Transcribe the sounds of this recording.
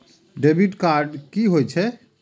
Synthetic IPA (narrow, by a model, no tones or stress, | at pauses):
ɖebiʈkaɾɖkiɦojt͡ʃʰɛ